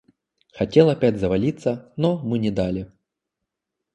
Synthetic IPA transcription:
xɐtʲelˠɐpʲadʲzɐvɐlʲit̪sːənɔmɨnʲɪd̪alʲɪ

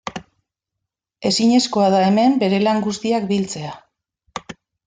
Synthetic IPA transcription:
e̞siɲe̞sko̞að̞ae̞me̞mbe̞ɾe̞laŋɡust̪iakbilt͡se̞a

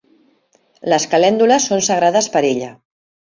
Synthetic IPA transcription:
ləskəlɛnd̪uləsːonsəɣɾaðəspəɾeʎə

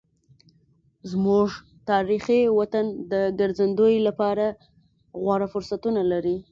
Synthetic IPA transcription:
zmuʐ | t̪ɑɾiχiwat̪and̪əɡaɾzand̪ojlapɑɾa | ɣwɑɽafʊɾsat̪unalaɾi

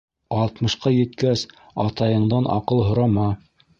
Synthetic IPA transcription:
ɑlˠt̪mɤ̆ʃqɑjɘ̆t̪kæs | ɑt̪ɑjɤ̆ɴd̪ɑnɑ̰qɤlˠɦŏɾɑmɑ

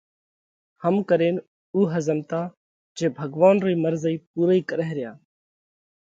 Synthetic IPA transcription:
həmkəɾeːn | uːɦəzəmt̪aː | d͡ʒeːbʱəɡʋaːnɾiːməɾziːp̚uːɾiːkəɾəɦɾɪja̰ː

